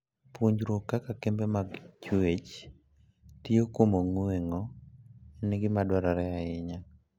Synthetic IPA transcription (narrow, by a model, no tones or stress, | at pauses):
puɲd͡ʒɾokːakakembemaɡt͡ʃet͡ʃ | tiokomoŋweŋɔ | nɪɡɪmadwaɾaɾɛaɪɲa